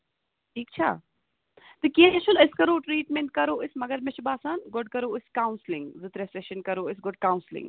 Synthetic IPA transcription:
ʈʰiːk̚t͡ʃʰa̰ː | d̪ɨkiɐ̃ɐʃulɪskɐɾoːʈɾiːʈmeɳʈ̚kɐɾoːʔɪsmɐɡɐɾmet͡ʃʰibaːsaːnɡɔɖ̚kɐɾoːɪskawnslɪŋɡzɨt̪ɾeseʃɐnkɐɾoːɪsɡɔɖ̚kaːwʊ̃nslɪ̰̃ŋɡ

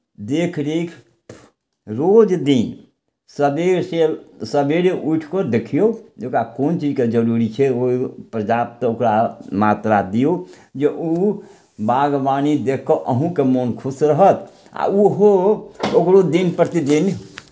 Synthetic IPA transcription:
d̪ekʰɾekʰ | ɾod͡ʒd̪in | səbeselsəbeɾeʔuʈʰkəɾd̪ekʰijod͡ʒekakont͡ʃid͡ʒked͡ʒəɾuɾit͡ʃʰɛoipɾəd͡ʒab̚t̪ɔokɾamat̪ɾad̪ijo | d͡ʒeʔu | baɡbanid̪ekʰːoʔəɦũkemonkʰusɾəɦət̪ | a̰uɦookɾod̪inpət̪id̪in

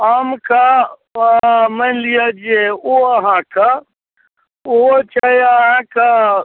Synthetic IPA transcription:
aːmkʰa | mənlijad͡ʒeoɐɦãkʰa | ʊɦot͡ʃʰajaɦãkʰa

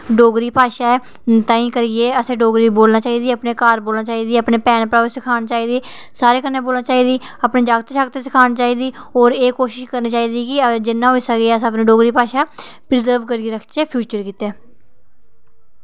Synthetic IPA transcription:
ɖoːɡɾiːpaːʃaːɛ | t̪ãːĩːkəɾieːəsẽːɖoːɡɾiːboːlnaːt͡ʃaːiːd̪iːəpneːkaːɾboːlnaːt͡ʃaːiːd̪iːəpneːpɛːnpɾaːsɪkʰaːnt͡ʃaːiːd̪iː | saːɾeːkənːẽːboːlnaːt͡ʃaːiːd̪iː | aːpneːd͡ʒaːɡt̪ːʃaːɡt̪eːsɪkʰaːnt͡ʃaːiːd̪iːɔːɾeːkoːʃɪʃkəɾniːt͡ʃaːiːd̪iːkɪd͡ʒɪnːãːɦoːiːsəɡeəsãːəp̬nẽːɖoːɡɾiːpaːʃaː | pɾɪzəɾʋkəɾeːɾəkʰt͡ʃeːpʰjuːt͡ʃəɾkiːt̪eː

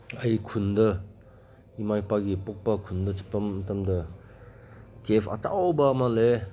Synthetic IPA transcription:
ɐjkʰundɐ | imajpaɡipok̚pɐkʰundɐt͡ʃi̥pːɐmːɐtʰamdɐ | kepʰɐ̰tʰa̰wbɐmale

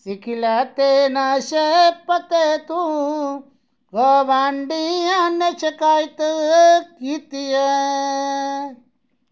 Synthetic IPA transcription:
sikʰilat̪eːnaɕepɐt̪et̪u | ɣɐʋaːɳɖianet͡ʃekaːjt̪ɨkit̪ijɐ

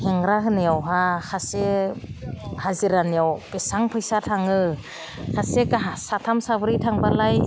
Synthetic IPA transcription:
heŋɾaɦɯneawɦaxʰase | haziɾanjawpesaŋpʰɯjsatʰaŋɯ | kʰasekaɦasatʰamsabɯɾitʰaŋbalaj

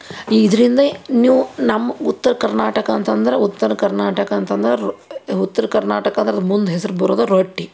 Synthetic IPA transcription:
iːd̪ɐɾind̪ɐniːʋunɐmːɐut̪ːɐɾɐkɐɾnaːʈɐkɐːnt̪ɐnd̪ɐɾeut̪ːɐɾɐkɐɾnaːʈɐkɐːnt̪ɐnd̪ɐɾeut̪ːɐɾɐkɐɾnaːʈɐkɐnd̪ɾɐd̪mund̪uɦesɐɾubɐɾoːd̪oɾoʈːi

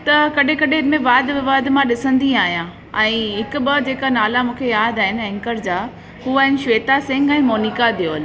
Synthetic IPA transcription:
t̪ɐkɐɗ̤ẽkɐɗemẽʋaːd̪bɪʋaːd̪mãɗɪsə̃nd̪iaːɦijãː | ɛ̃ːɦɪkʊ̆ɓɐd͡ʑeːkanaːlamũːkʰejaːd̪aːɦɪnɛ̃ŋkəɾd͡ʑaː | ɦuːaːɦɪnɪʃʋeːt̪asɪ̃ŋɡɛ̃ːmoːniːkad̪ijoːl

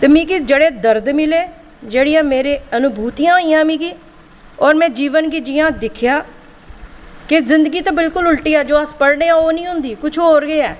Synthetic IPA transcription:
t̪eːmĩːɡiːd͡ʒeːɽeːd̪əɾd̪mɪleː | d͡ʒeːɽiːãːmeːɾeːənʊbʱuːt̪ijãːiːjãːmĩːɡiː | ɔːɾmɛ̃ːd͡ʒiːʋənɡiːd͡ʒɪjãːd̪ɪkʰɪjaː | kɪzɪnd̪əɡiːt̪ãːbɪlkʊlʊlʈiːɛːd͡ʒoːəspəɽneːãːoːnĩːɦʊ̃ːnd̪iːkʊt͡ʃʰɦoːɾɡəːɛː

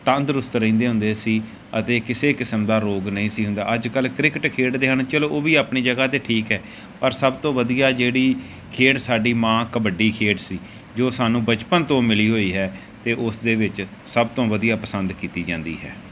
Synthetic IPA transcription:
t̪ə̃nd̪ɾʊst̪ɾəĩːnd̪eːɦʊ̃nd̪eːsiː | ət̪eːkɪseːkɪsəmd̪aːɾoːɡnəɦĩːsiːɦʊ̃nd̪aːəd͡ʒkəlkɾɪkʈkʰeːʈd̪eːɦəɳt͡ʃəloːʔoːʋiːaːpɳiːd͡ʒəɡaːt̪eːʈʰiːkɦɛː | pəɾsəbt̪õːʋəd̪ijaːd͡ʒeːɽiː | kʰeːʈsaːɖiːmãːkəbəɖiːkʰeːʈsiː | d͡ʒoːsaːnũːbət͡ʃpənt̪õːmɪliːɦoːiːɦɛː | t̪eːʔʊsd̪eːʋɪt͡ʃ | səb̚t̪õːʋəd̪ijaːpəsə̃nd̪kiːt̪iːd͡ʒãːnd̪ḭːɦɛ̰ː

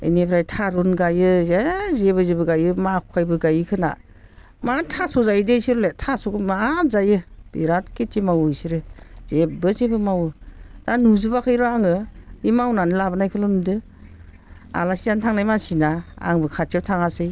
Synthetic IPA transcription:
ɯ̰nepʰɾajtʰaɾonɡajɯezeβɯzibɯɡajɯmakʰɔ̥kʰajbɯɡajɯkʰɯna̰ | matʰasɔzajdejsiɾɔletʰasokɯmazajɯb̥ḭɾatketimawjsiɾɯz̥ebɯzebɯmawɯtanuzubakʰɯjɾɔaŋɯimawnanɯlabɯnajkʰɯlɯndɯ | a̰lasijantʰaŋnajmasinaa̰ŋbɯkʰatʰiɾtʰaŋasɯj

